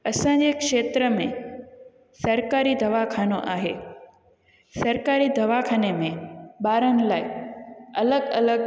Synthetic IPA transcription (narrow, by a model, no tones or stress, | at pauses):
ɐsãd͡ʑekʃeːt̪ɾəmẽ | sɐɾkaːɾid̪ɐʋakʰaːnoʔa̰ːɦe | sɐɾkaːɾid̪ɐʋakʰaːnemẽbaːɾən̆laːɪɐləɡɐ̰ləɡ